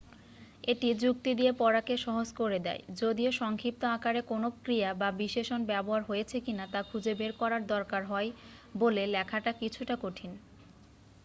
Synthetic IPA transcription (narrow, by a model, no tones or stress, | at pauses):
eʈid͡ʑuk̚t̪id̪iepɔɾakeʃɔɦod͡ʑkoɾed̪ɛ̰ed͡ʑod̪ioʃɔŋkʰɾip̚t̪oakaɾekonokɾijababiʃeʃonbɛboɦaɾɦojet͡ɕʰekinat̪akʰud͡ʑebeɾkɔɾaɾd̪ɔɾkaɾɦɔebolelɛkʰaʈakit͡ɕʰuʈakoʈʰin